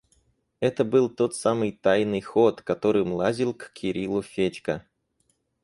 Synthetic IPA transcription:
ɛt̪əbɨlˠt̪o̞t̪samɨjt̪ajnɨjxo̞t̪kɐt̪o̞ɾɨmlˠazʲilˠkkʲɪɾʲilˠʊfʲet͡ɕʲkə

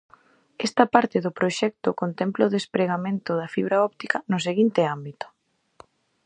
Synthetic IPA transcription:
ɛst̪ɐpaɾt̪ɪðʊpɾoʃɛk̚t̪ʊkont̪ɛmplaoðespɾeɣamẽnt̪ʊðɐfiβɾaɔp̚t̪ikɐnʊs̬eɣint̪ɪambit̪ʊ̥

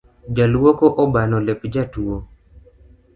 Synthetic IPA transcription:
d͡ʒalwɔkɔʔɔbanɔlɛpd͡ʒatuo

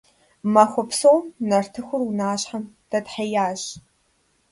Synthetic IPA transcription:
mɐxʷʊpsowmnɐrtʰɨxʷʊrwnaːɕħamd̥ɐtħɐjaːɕ

